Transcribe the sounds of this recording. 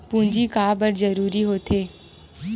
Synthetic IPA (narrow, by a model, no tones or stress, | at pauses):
pʊ̃ɲd͡ʒikaːbəɽzəɾuːɾiɦoːt̪ʰeː